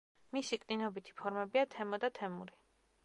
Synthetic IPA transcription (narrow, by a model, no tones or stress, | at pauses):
misikʼninɔbit̪ʰi̥pʰɔɾmɛbiat̪ʰɛmɔd̪at̪ʰɛmuɾi